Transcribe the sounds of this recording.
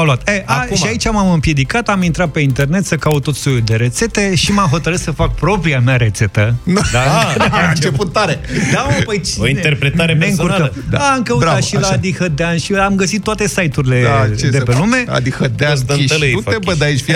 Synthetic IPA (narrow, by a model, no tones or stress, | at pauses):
aluat̪eʔauʃiait͡ʃamamɨmpje̞d̪ikat̪amint̪ɾat̪̚pe̞int̪e̞rne̞t̪səkaut̪ːo̞t̪sojud̪e̞ɾe̞t̪se̞t̪e̞ʃimamɦo̞t̪əɾɨt̪səfak̚pɾo̞pɾiamaɾe̞t̪se̞t̪ənud̪aaɨnt͡ʃeput̪ːaɾed̪aopəjt͡ʃoint̪e̞rpɾe̞t̪aɾemaɨŋkuɾaə | d̪aaːmkəuɾaat̪ʃitlad̪ihəd̪eanʃiamɡəsit̪ːoat̪e̞sajt̪uɾile̞t͡ʃed̪epelume̞a̰d̪ihəd̪ead̪əəlɨebəd̪ajʃfi